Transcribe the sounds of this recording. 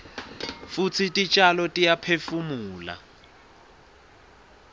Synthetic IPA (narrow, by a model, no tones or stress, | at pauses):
fut͡sʰitʼit͡ʃʼalɔtʼijapʰefumuːla̰